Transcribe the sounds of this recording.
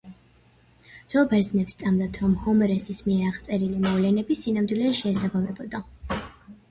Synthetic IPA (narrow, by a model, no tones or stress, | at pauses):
dz̥ɔbɛɾd̪znɛpst̪sʼamd̪at̪ʰɾɔmhɔmɾɛsismiɛɾaʁt̪sʼɛɾilimɔvlɛnɛbisinamd̪wilɛʃɛːsabamɛbɔd̪a